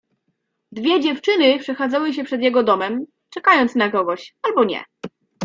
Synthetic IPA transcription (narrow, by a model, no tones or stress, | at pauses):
d̪vʲjɛd͡ʑɛft͡ʂɘnɘpʂɛxad̪zawɘɕ̬ɛpʂɛd̪jɛɡɔd̪ɔmɛm | t͡ʂɛkajɔnt̪snaɡɾɔvɔɕalbɔɲɛ̰